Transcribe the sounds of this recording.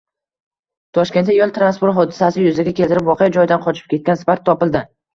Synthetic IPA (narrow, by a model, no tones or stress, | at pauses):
t̪ʰɒʃkʲenajɒlˠt̪ʰɾanspʊɾt̪ɦɒd̪ɪsasɪjʊzɪɡʲakʲʰelt̪ʰɪɾɪpwɒqejad͡ʒɒjɪd̪anqʰɒt͡ʃʰɪ̥p̚kʲe̞t̪̚kʲansɪpaɾt̪ʰːɒpɪld̪ɪ